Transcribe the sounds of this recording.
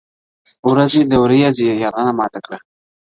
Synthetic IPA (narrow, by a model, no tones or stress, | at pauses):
wɾazed̪əwɾijazejɑɾʁɑnamɑt̪akɽa